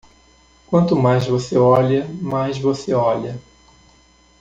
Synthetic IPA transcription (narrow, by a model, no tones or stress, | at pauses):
kwɐ̃nt̪ʊmajzvoseɔʎɐmajzvoseɔʎɐ